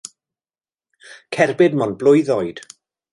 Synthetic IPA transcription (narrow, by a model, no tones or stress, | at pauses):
kʰɛrbɪdmɔnblˠʊjðɔjd̥